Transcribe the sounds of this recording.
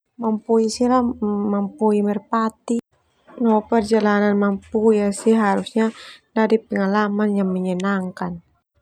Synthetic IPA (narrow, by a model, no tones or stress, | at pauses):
mampuisilamampuimɛrpat̪i | nɔpɛrd͡ʒalananmampuijasiɦaɾusɲadadipɛŋalamanjaŋmɛɲɛnaŋkan